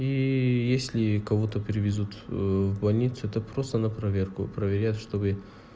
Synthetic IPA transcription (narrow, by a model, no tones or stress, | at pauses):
ijesʲlʲɪkɐvot̪əpʲɪɾʲɪvʲɪzut̪vbɐlʲnʲit̪sʊɛt̪əpɾo̞st̪ənɐpɾɐvʲerkʊ̰pɾəvʲɪɾʲat̪ʂt̪o̞bɨ